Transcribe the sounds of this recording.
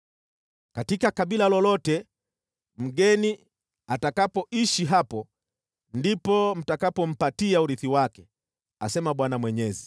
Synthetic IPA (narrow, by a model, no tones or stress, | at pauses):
katikakaɓilalɔlɔtɛ | m̩ɠɛni | atakapɔiʃiɦapɔ | ndipɔm̩takapɔm̩patiauɾiθiwakɛ | a̰sɛmaɓwanamwɛɲɛzi